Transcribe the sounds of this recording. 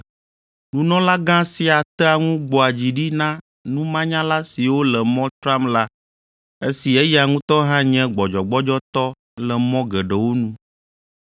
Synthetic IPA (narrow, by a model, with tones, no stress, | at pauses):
nũ˨nɔ̃˦la˦ɡã˦si˦a˨t̪ɛ˦a˨ŋũ˦ɡ͡bɔ˨a˨d͡ʑi˨ɖi˦nã˦ | nũ˦mã˦ɲã˦la˦si˨wo˦lɛ˨mɔ̃˦t̪ɾã˦mla˦ | e˦si˨ɛ˦jɛ˦˨a˨ŋũ˦t̪ɔ˦ɦã˦ɲɛ̃˦ɡ͡bɔ˨d͡ʒɔ˨ɡ͡bɔ˦d͡ʒɔ˦t̪ɔ˦ | lɛ˨mɔ̃˦ɡɛ˨ɖɛ˨wo˦nũ˦